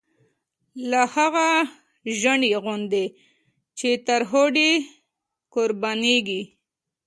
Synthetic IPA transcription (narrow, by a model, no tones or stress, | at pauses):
lahaɣa | ʒəɳiɣʊnd̪e | t͡ʃet̪aɾɦoɖi | koɾbaneɡi